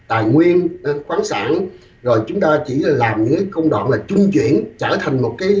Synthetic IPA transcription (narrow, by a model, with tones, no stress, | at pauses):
t̪a̰ː˨˩jŋwi˧ənʔa˨˦xwaː˨˦nsa̰ː˧˩n | zo˨˩jt͡ɕʊ˨˦ŋ͡mt̪aː˧t͡ɕi˧˩la˨˩laː˨˩mɲɨ̰˧˥kaː˨˦jkə˧wŋ͡mɗa̰˧˨nlaː˨˩t͡ɕʊ˧ŋ͡mt͡ɕwḭ˧˨ənt͡ɕəː˧˩t̪ʰa˨˩jŋ̟mo˨˩t̚kaː˨˦